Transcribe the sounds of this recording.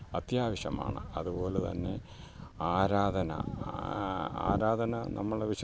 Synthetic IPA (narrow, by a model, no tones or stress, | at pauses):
ɐt̪jaːʋɐɕɐma̰ːɳɨ̰ɐðupo̞ːlet̪ɐ̰nːe̞̰ | aːɾaːd̪ʱɐnɐ̰ | a̰ːɾaːd̪ʱɐnɐnʔɐmːɐɭeʋiɕ